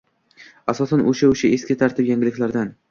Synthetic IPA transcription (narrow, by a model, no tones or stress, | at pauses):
asɒsanoʃaoʃaeskʲɪt̪ʰaɾt̪ʰɪpjaŋɡʲɪlɪkʲlaɾd̪an